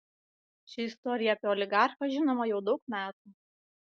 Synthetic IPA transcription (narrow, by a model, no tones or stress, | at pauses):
ʃʲɪɪst̪ɔɾʲɪjɛɐpʲeɔlʲɪɡɑˑɾxɐʒʲɪnoːmɐjɛʊd̪ɒʊkmʲæːt̪uː